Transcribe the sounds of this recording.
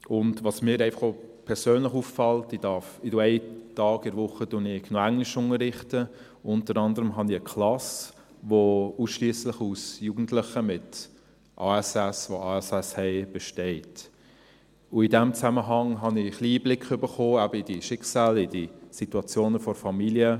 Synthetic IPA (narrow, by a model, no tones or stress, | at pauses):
ʊndvɑsmiəɾɛɪfɑ̥χo | pʰɛɾsøːnləχuːffɑltid̥ɑfɪduɛɪtɑːɡɪɾʋʊχədʊnɪçnɔæŋlɪʃʊŋəɾɪχtə | ʊntəɾɑndəɾəmɦɑniəkʰlɑs | ʋouːsʃliːəslɪχusjuːɡ̥n̩tlɪχəmɪt | ʔɑːɛsɛsʋoɑːɛsɛshɛɪb̥ɛʃtɛɪt | ʊɪdɛmt͡sæməɦɑŋɦɑnɪχliːblɪkχʏbəχoːæbəid̥iʃɪksaːlɪdisituɑt͡sjoːnəfɔɾfɑmiliə